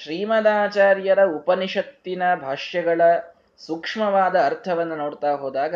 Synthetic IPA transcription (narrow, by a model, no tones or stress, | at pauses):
ʃɾiːmɐd̪aːt͡ʃaːɾjɐɾɐupɐniʂɐt̪ːinɐbʱaːʂjɐɡɐɭɐ | sukʂmɐʋaːd̪ɐːɾt̪ʰɐʋɐnːɐnoːɽt̪aːɦoːd̪aːɡɐ